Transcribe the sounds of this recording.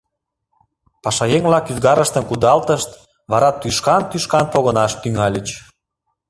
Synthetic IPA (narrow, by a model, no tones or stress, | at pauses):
pɑʃɑjeŋβlɑkyzɣɑɾəʃt̪ənkud̪ɑlt̪əʃt̪ | βɑɾɑt̪ːyʃkɑnt̪yʃkɑnpoɣə̆nɑʃt̪yŋɑlʲət͡ɕ